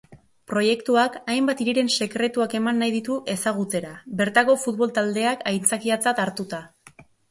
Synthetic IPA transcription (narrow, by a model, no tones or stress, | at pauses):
pɾo̞je̞kt̪uakajmbat̪iɾiɾe̞nse̞kɾe̞t̪uake̞manːajðit̪uʔe̞saɣ̞ut͡se̞ɾaβe̞ɾt̪ako̞fut̪βo̞lt̪ald̪e̞akʰajnt͡sakiat͡sat̪aɾt̪ut̪a